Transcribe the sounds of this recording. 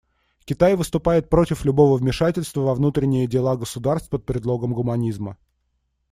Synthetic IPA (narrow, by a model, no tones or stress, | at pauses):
kʲɪt̪ajvɨst̪ʊpajɪt̪̚pɾo̞tʲɪflʲʊbo̞vəvmʲɪʂatʲɪlʲst̪vəvɐvnut̪ɾʲɪnʲːɪjədʲɪlˠaɡəsʊd̪arst̪pət̪̚pɾʲɪd̪lˠo̞ɡəmɡʊmɐnʲizmə̰